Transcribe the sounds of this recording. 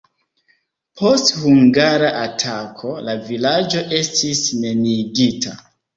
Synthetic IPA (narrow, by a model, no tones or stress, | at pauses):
pʰo̞sthuŋɡaɾaʔatʰakʰo̞lavilad͡ʒo̞ʔe̞stisne̞niɡitʰa